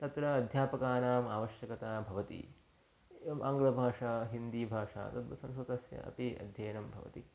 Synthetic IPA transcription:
t̪ɐt̪ɾɐɐd̪ʱjaːpɐkaːnaːmaːʋɐʃjɐkɐt̪aːbʱɐʋɐt̪ḭ | eʋɐmʔa̰ːŋɡɐɭɐbʱaːʂaːɦind̪iːbʱaːʂa̰ːt̪ɐt̪ʋɐsɐ̃msɐt̪ɐsjɐ̰ʔɐ̰piɐ̰d̪ʱjɐːnɐmbʱɐʋɐ̰t̪i

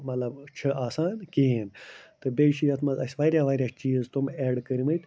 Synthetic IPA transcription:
mɐt̪lɐbt͡ʃʰɐʔaːsaːnkʲeːnt̪ɨbeːt͡ʃʰijɐt̪ʰmɐɐsʲʋaːɾʲjaːʋaːɾʲjaːt͡ʃiːzt̪umeːɖkɐɾʲimɐjt̪

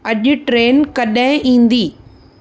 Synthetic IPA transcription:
ɐʄʊ̆ʈɾeːnkɐɗãɪ̃ʔĩːnd̪iː

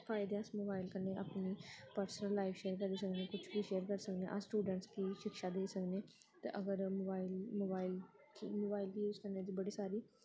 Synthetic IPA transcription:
pʰaːɪd̪ẽsmoːbaːɪlkəneːa̰ːpniːpəɾsənəlːaːɪʋʃeːɾkəɾiːsəknẽːkʊt͡ʃʰbiːʃeːəɾkəɾsəknḛ̃ːʔasʈuːɖəɳʈskiːʃɪkʃaːd̪eːsəkneː | t̪ḛʔəɡəɾmːbaːɪlmoːbaːɪl | kimoːbaːɪlkiːʊskəneːəd͡ʒiːbəɽiːsaːɾiː

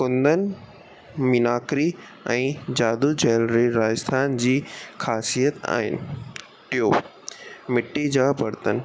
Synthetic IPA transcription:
kʊ̃nd̪ənɪ̆ | minaːkɾi | ɛ̃ːd͡ʑaːd̪ud͡ʑɛːlɾiɾaːəst̪ʰaːnd͡ʑiːxʰaːsijət̪a̰ːɦɪ̰nɪ̆ | ʈɪjoː | mɪʈːid͡ʑaːbʱɐɾt̪ən̆

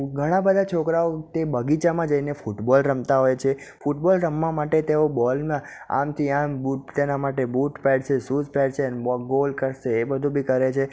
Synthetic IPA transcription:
ɡʱəɽ̃ãbəd̪ʱat͡ʃʰokɾaot̪ebəɡit͡ʃamãd͡ʒəinefuʈbɔlɾəmt̪aɦojt͡ʃʰe | fuʈbɔlɾəmːãmaʈet̪eobɔlmã | a̰mt̪ʰiambut̪enamaʈebuʈpɛɽʃesuzpɛɽt͡ʃʰeənebɔɡolkəɾʃeːbəd̪ʱũbʱikəɾet͡ʃʰe

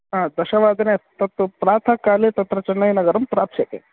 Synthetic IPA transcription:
ɦãd̪ɐɕɐʋad̪ʱnet̪ɐt̪pɾaːt̪ʰakalet̪ɐt̪ɾɐt͡ʃɐnːɐjinɐɡəɾɐmpɾapʃekḛ

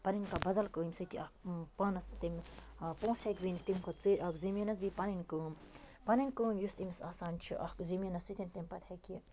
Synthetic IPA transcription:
pɐninkabɐd̪ɐlkəːimʲsɐkʲiɐk̚pɐnɐst̪imʲpõːsekzinit̪imkot̪t͡siɾʲʔɐkzimʲɐnɐsbipɐninkəːmpɐninʲkəːmjust̪imisaːsaːnt͡ʃʰḭʔɐkzimʲɐnɐsit̪int̪imʲpɐt̪ʰhekie

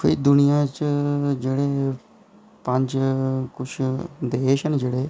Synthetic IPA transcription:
pʰɪɾd̪ʊnijãːt͡ʃəd͡ʒeːɽeː | pəɲd͡ʒkʊt͡ʃʰd̪eːʃənd͡ʒeːɽeː

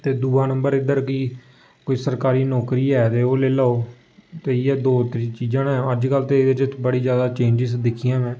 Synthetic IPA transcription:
t̪eːd̪uːaːnəmbəɾɪd̪əɾkɪ | koːiːsəɾkaːɾiːnɔːkɾiːɛːt̪eːoːleːlaːoː | t̪eːiɛːd̪oːt̪ɾiːt͡ʃiːd͡ʒãːnɛ̃ːəd͡ʒkəlt̪eːd̪eːt͡ʃəbəɽiːd͡ʒjaːd̪aːt͡ʃẽːɲd͡ʒɪsd̪ɪkʰːijãːmɛ̃ː

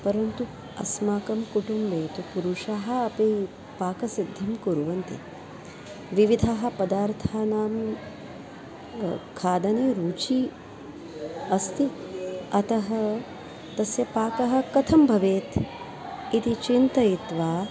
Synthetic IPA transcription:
pɐɾɐnt̪u | ɐ̰smaːkɐmkuʈumbeːt̪upuɾuʂaːɦɐ̆ɐpi | paːkɐsid̪ʱjɐmkuɾuʋɐnt̪ḭ | ʋiʋid̪ʱaːɦɐ̆pɐd̪aːɾt̪ʰaːnaːm | kʰaːd̪ɐneːɾuːt͡ʃiː | ɐst̪iɐt̪ɐɦɐ̆ | t̪ɐsjɐpaːkɐɦɐ̆kɐt̪ʰɐmbʱɐʋeːt̪ | it̪it͡ʃint̪ɐit̪ʋaː

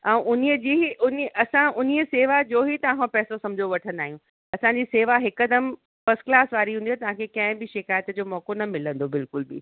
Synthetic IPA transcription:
ɛ̃ːʔʊniəd͡ʑiːɦiʔʊniɐsãʔʊniəseːʋad͡ʑoːɦit̪ɐãɦõpɛːsosɐmd͡ʑʱoʋɐʈʰə̃nd̪aːɦijũ | ɐsãɲd͡ʑiːseːʋaɦɪkːəd̪əm | fɐsklaːsʋaːɾiɦũnd̪iot̪ɐʋ̤ãkʰekɐ̃ɦɪ̃bɪʃɪkaːjət̪d͡ʑoːmɔːkonɐmɪlə̃nd̪obɪlkʊlbɪ̰

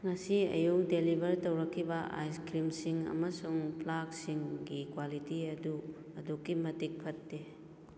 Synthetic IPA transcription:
ŋɐsiɐ̰juk̚delibʱɐɾtowɾɐkʰːibɐʔa̰jskɾimsiŋɐ̰mɐsuŋplaksiŋɡikwalitiɐdu | ɐdukːimɐtik̚pʰɐtːe

